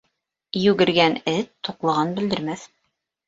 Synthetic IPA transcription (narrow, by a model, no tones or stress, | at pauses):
jʉɡɘ̆ɾɡænɘt̪ːuqlˠɤ̆ʁɑnbɘ̆ld̪ɘ̆ɾmæθ